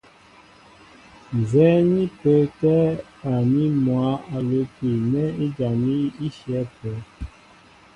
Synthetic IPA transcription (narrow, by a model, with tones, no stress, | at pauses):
n˨zɛ˨˦ni˦pə˨˦tɛ˦ | a˨ni˦mwa˨˦a˨lo˨˦ki˨nɛ˦i˦d͡ʒa˨ni˦i˦ʃjɛ˨˦pɛ˨˦